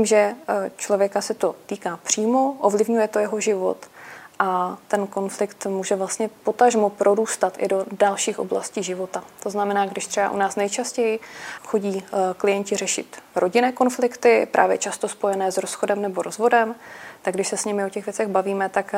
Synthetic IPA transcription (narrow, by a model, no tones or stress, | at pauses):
iːmʒɛt͡ʃlo̞vjɛkasɛt̪o̞t̪iːkaːpr̝̥iːmoʔovlɪvɲujɛt̪o̞jɛɦo̞ʒɪvo̞̰t̪ʔat̪ɛnko̞nflɪkt̪muːʒɛvlast̪ɲɛpo̞t̪aʒmopɾʔoɾuːst̪at̪ʔɪ̰do̞dalʃiːxʔo̰bla̰sciːʒɪvo̞t̪at̪o̞znamɛnaːɡdɪʃt̪r̥ɛba̰ʔṵnaːsnɛjt͡ʃascɛjɪxo̞ɟiːklɪjɛɲcɪrɛʃɪ̰t̪ɾʔo̞ɟɪnɛːko̞nflɪkt̪ɪpɾʔa̰ːvjɛt͡ʃast̪o̞spo̞jɛnɛːzɾo̞sxo̞dɛmnɛboɾo̞zvo̞dɛmt̪aɡdɪʃsɛsɲɪmɪo̞cɛɣvjɛt͡sɛɣbaviːmɛt̪ak